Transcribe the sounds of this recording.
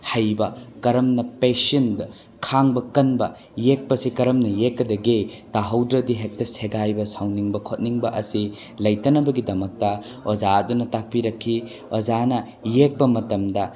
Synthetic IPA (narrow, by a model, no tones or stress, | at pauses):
hɐjbɐkɐɾɐmnɐpesendɐ | kʰaŋbɐkɐnbɐ | jek̚pɐsikɐɾɐmnɐjekːɐdɐɡitaɦɐwdɾɐdiɦek̚tɐseɡajbɐsawniŋbɐkʰot̚niŋbɐʔɐsi | lɐjtɐnɐbɐɡidɐmɐk̚tɐ | ozaɐdunɐtak̚piɾɐkʰːi | ozanɐ | jek̚pɐmɐtɐmdɐ